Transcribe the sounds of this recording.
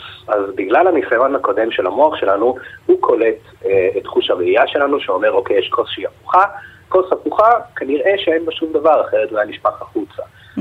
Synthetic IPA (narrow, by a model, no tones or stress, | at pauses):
ʔazbiɡlalanisajo̞nhako̞d̪e̞mʃelamo̞aχʃe̞lanuhukʰo̞let | etχuʃaeijaʃe̞lanuʃeo̞me̞ʁo̞kejɛʃkʰo̞sʃeiafuχako̞safuχakaniʁe̞ʃeenbaʃumd̪avaʁaχeʁet̪ulajaniʃpaχaχut͡sa